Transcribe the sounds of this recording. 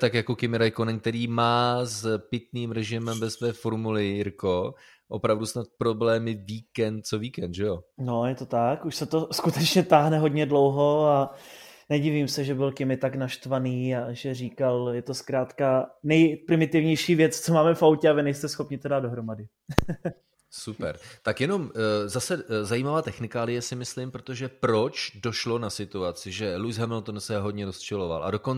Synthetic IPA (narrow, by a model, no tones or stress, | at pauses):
t̪akjakokɪmɪɾajkonɛŋk̚t̪ɛɾiːmaːzpɪt̪niːmɾɛʒɪmɛmvɛsvɛːfoɾmulɪɪɾko | ʔopɾavdusnat̪̚pɾo̞blɛːmɪviːkɛnt̪̚t͡soviːkɛnd̪ʒɛjono̞jɛt̪o̞t̪akuʃsɛt̪o̞skut̪ɛt͡ʃɲɛt̪aːɦnɛɦodɲɛdlo̞wɦo̞anɛɟivimsɛʒɛbɪlkɪmɪt̪aknaʃt̪vaniːaʒɛriːkaljɛt̪o̞skɾaːt̪kanɛjpɾɪmɪt̪ɪvɲɛjʃiːvjɛt͡st͡somaːmɛfawcɛavɪnɛjst̪ɛsxo̞pɲɪt̪odaːd̪do̞ɦɾo̞madɪ | supɛ̰ɾt̪akjɛno̞mzasɛzajiːmavaːt̪ɛxnɪkaːlɪjɛsɪmɪslɪmpɾot̪oʒɛpɾo̞t͡ʃdo̞ʃlo̞nasɪt̪uat͡sɪʒɛlujsɦɛmɪlt̪onsɛɦo̞dɲɛɾost͡ʃɛlova̰lʔa̰do̞kon